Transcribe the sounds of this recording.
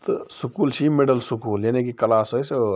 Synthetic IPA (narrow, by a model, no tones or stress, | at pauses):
t̪ɔsukult͡ʃʰimeɖəlsukuːljanek̬ikəlasɦəjse